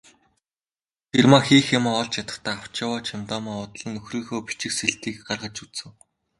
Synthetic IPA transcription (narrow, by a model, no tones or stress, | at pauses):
tʰermaxiːxamaːɔɮt͡ɕjat̪ə̆t̪ʰaːaw̥t͡ɕaːwaːt͡ɕʰamt̪ɔːmaːɔt̪ɮə̆nːɵxriːxoːpi̥t͡ɕɪ̆kseɬt̪iːkɢarʁə̆t͡ɕut͡sɘ̆w